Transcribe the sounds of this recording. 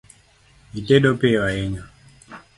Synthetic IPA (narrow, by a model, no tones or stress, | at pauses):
iteɗopewaeɲa